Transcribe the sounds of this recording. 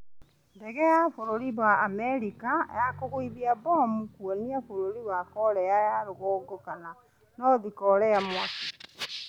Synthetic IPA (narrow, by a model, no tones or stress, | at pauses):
ndɛɣɛjafoɾoɾiβaːmɛɾika̰jakoɣwiðiabɔamukwoniafoɾoɾiβwakɔɾɛjajaɾoɣoːɡokana | nɔðikɔɾɛjamwaki